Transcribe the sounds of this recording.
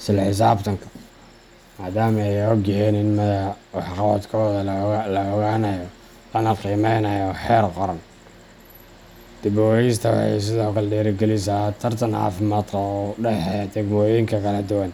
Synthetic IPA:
sɪlħɪs̬aːbt̪ʰɐŋkʰɐ̥ | maːd̪aːmɐɛjɔɡɛjɛnɪnmɐwɑħqɑwɐd̪kʰɔːðɐllɐɔɣaːnɐjɔ | lɐnɐqiːmɛjnɐjɔħɛːrqɔɾɐn | d̪̥ɪbɔːjis̬t̪ʰɐwɑ̰ħɑ̰js̬ɪðɔːkʰɐlɛɖɛːɾɪɡɛlɪsaːt̪ʰɐrt̪ʰɐnʕɑ̰ːfɪmaːd̪kʰɐɔɖɛħɛd̪ɛɡmɔːjɪŋkʰɐkʰɐlɐd̪ʊwɐn

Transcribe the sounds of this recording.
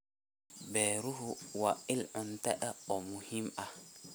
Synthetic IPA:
beɾuɦuwailuntɛɗaomuhima

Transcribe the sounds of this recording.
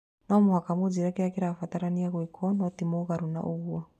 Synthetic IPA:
nɔmuhakamud͡ʒiɾakiɾakiɾafat̪aɾaniaɣwikʰɔnɔt̪imɔɣaɾuna̰ʔuɣwa

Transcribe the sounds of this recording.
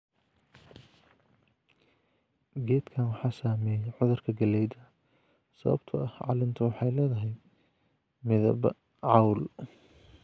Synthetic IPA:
ɡɛːd̪kʰaːnwɑħɑːsaːmɛːjɛʕʊðʊrkʰɐɡɐlɛjd̪ɐ | sɐβɐ̰bt̪ʰɐɐhʕɑ̰ːlɪnt̪ʰɐwɑħɑjlɛːðɐɦɛj | mɪðɐ̰bɐ | ʕɑwl

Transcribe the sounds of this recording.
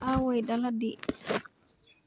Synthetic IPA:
awɔjɗaladi

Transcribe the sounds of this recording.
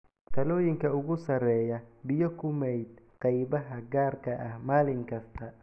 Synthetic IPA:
t̪ʰɐlɔːjɪŋkʰɐʊɣʊsɐrɛːjɐbɪjɔkʰʊmɛjd̪̚ | qɑjbɐɦɐɡaːrkʰɐʔɐhmaːlɪŋkʰɐst̪ʰɐ

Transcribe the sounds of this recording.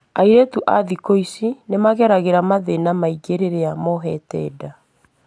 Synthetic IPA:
aiɾetuʔaðikoisinemaɣɛɾaɣeɾamaðenamaiɡeɾeɾeamɔɦɛtɛ̰ːda

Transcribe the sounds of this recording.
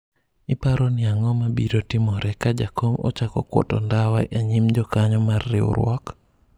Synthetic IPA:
ɪpaɾɔnɪaŋɔmabiɾotɪmɔɾɛkad͡ʒakʰomɔ̰t͡ʃakɔ̰kwɔ̰tɔ̰ndawaʔeɲimd͡ʒɔkaɲɔmarːɪ̰ʊ̰ɾwɔk

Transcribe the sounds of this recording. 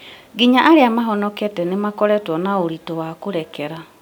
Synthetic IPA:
ɡiɲaʔaɾeamaɦɔnɔkɛtɛnemakɔɾɛtwɔnaoɾitowakoɾɛkɛɾa

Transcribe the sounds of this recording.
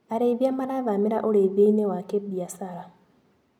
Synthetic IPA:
aɾeβjamaɾaðameɾaʔoɾeβjeinewakebjasaɾa

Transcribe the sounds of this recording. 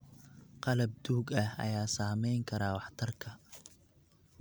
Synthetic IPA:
qɑlɐb̚d̪uːɡɐhɐ̰jaːsaːmɛjŋkʰɐɾaːwɑħt̪ʰɐrkʰɐ

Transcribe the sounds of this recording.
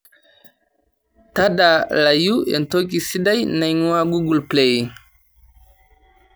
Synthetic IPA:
tadalajuʔɛ̰ntokisidajnajŋuwaɡuɡulplej

